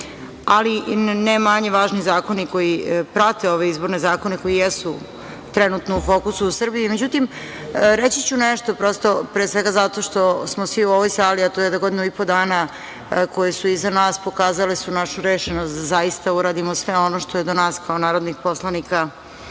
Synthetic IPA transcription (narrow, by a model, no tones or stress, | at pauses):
alinemaɲe̞ʋaːʒnizaːko̞niko̞ipɾat̪e̞o̞ʋeizbo̞ɾnezaːko̞neko̞jijesu | t̪ɾenut̪noufo̞ːkusuːsr̩biime̞d͡ʑut̪im | ɾet͡ɕit͡ɕuneʃt̪opɾo̞st̪o̞pɾeːsʋe̞ɡazat̪o̞ʃt̪o̞smosʋiuoʋojsaːliat̪ojed̪aɡo̞d̪inuipo̞d̪aːna | ko̞jesuizanaːspokaːzalesunaʃuɾeːʃenost̪d̪azajist̪auɾaːd̪imosʋeo̞noʃt̪ojed̪onaːskaonaːɾod̪nixpo̞slanika